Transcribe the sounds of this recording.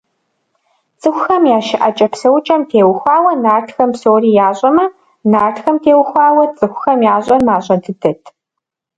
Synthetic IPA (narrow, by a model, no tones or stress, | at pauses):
t͡sʼɨxʷʊxɐmjaːʃɪʔɐt͡ʃʼɐpsɐwt͡ʃʼɐmtʰeːwxʷɑːwɐnaːrtʰxɐmpsoːriːjaːɕʼɐmɐ | naːrtxɐmtʰeːwxʷɑːwɐt͡sʼɨxʷʊxɐmjaːɕʼɐmaːɕʼɐntʰɨdɐtʰ